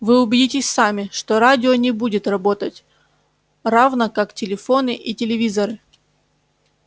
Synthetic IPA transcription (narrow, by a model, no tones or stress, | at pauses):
vɨʊbʲɪdʲitʲɪsʲsamʲɪʂt̪oɾadʲɪonʲɪbudʲɪt̪rɐbo̞t̪ətʲ | ravnəkaktʲɪlʲɪfo̞nɨʔitʲɪlʲɪvʲizəɾɨ